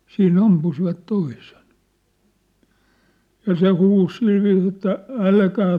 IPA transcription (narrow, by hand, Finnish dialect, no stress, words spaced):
siːn ɑmpusiʋɑt toisen jɑ se huːs silʋiːs etːæ ælkæː